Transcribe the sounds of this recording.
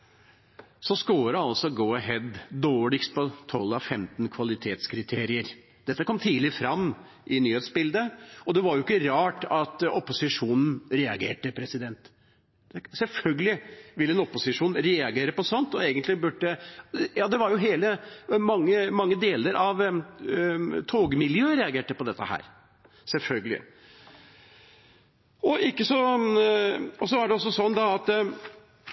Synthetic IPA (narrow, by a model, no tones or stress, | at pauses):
sɔskoːɾəɑlsɔɡoːɦɛd̪d̪oːɭɪkst̪̚pɔt̪ʰɔlːɑʋfɛmt̪nkʰʋɑlɪt̪ʰeːt̪skʰɾɪt̪ʰeːɾɪəɾ | d̪̥ɛt̪ːəkʰɔmt̪ʰiːlɪfɾɑmː | ʔɪnyːheːt̪sbɪld̪əɔd̪ɛʋɑɾjʊɪkːəɾɑːʈɑt̪ɔpːʊsɪʂuːnn̩ɾɛɑɡḛːʈəpʰɾɛsɪd̪ɛnt̪ | sɛlfœlɡəlɪʋɪlːəɛnɔpʊsɪʂuːnɾɛɑɡeːɾəpɔsɔnt̪ɔeːɡənt̪lɪbʉɖəjɑːd̪ɛʋɑɾjʊɦeːləmɑŋːəmɑŋːəd̪eːləɾʔɑʋ | t̪ʰoːɡəmɪljøːəɾɛɑɡeːʈəpɔd̪ɛt̪ːəhæ̰ːɾ | sɛlfœlɡəlɪ̰ | ɔʔɪkːəsɔ | ɔsɔɑɖɛɔsːɔsɔnːd̪ɑɑt̪